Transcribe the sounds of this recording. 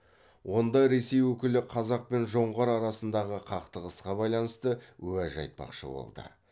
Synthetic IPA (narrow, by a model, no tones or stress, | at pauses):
wo̞nd̪ɑɾe̞se̞jwɵkʲɪlɪqʰɑzɑq̚pe̞nʒo̞ɴʁɑɾɑɾɑsənd̪ɑʁəqʰɑqt̪əʁəsqɑbɑjlˠɑnəst̪əwɵæʒɑ̰jt̪̚pɑ̰qʃə̰bo̞̰lˠd̪ə̰